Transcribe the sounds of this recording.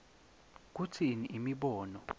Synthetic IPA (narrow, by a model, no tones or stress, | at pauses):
k̬utʰiniʔimiɓɔːnɔ